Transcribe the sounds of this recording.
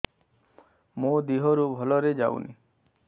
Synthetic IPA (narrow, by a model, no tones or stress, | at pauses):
mũd̪iɦɔɾubʱɔlɔɾed͡ʒa̰w̰nḭ